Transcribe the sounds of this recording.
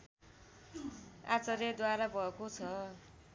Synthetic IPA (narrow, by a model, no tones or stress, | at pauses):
at͡sʌɾed̪waɾabʱʌekot͡sʰʌ